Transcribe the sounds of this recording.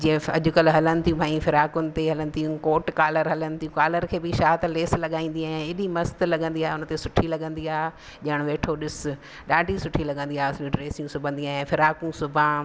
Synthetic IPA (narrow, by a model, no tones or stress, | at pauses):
d͡ʑĩːə̃ɐ̰ʄʊkɐlɦɐlənɪ̆t̪ijũbʱaːĩfɪɾaːkʊnɪ̆t̪eɦɐlənɪ̆t̪ʰijũkoːʈkaːləɾɦɐlənɪ̆t̪iũkaːləɾkʰeːbɪʃaːt̪leːslɐɠaːĩːn̆d̪iaːɦɪ̃ɪɗimɐst̪lɐɠə̃nd̪iaːɦeʊn̆t̪esʊʈʰilɐɠə̃nd̪iaːɦ | ʄɐɪɽ̃ʋeːʈʰoɗɪs | ɗaːɖʱisʊʈʰilɐɠə̃nd̪iaːɦsliʈɾeːsijũsʊbʱə̃nd̪iaːɦẽfɪɾaːkũsʊbʱãː